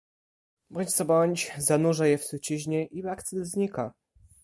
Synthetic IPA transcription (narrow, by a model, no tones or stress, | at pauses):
bɔɲʲt͡ɕsabɔɲt͡ɕzanuʐajɛfsut͡ɕiʑɲɛʔivakt̪sɛzɲika